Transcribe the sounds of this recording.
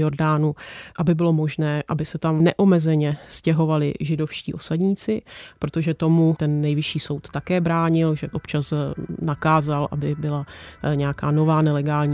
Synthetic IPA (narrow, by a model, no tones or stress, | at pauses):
jo̞ɾdaːnuʔabɪbɪlo̞mo̞ʒnɛːʔabɪsɛt̪amnɛʔomɛzɛɲɛscɛɦo̞valɪ̰ʒɪdo̞fʃcḭːʔo̞sadɲiːt͡sɪpɾo̞t̪o̞ʒɛt̪o̞mut̪ɛnːɛjvɪʃiːso̞wt̪ːakɛːbɾaːɲɪlʒɛʔo̞pt͡ʃasnakaːzalʔa̰bɪbɪlaɲɛakaːno̞vaːnɛlɛɡaːlɲiː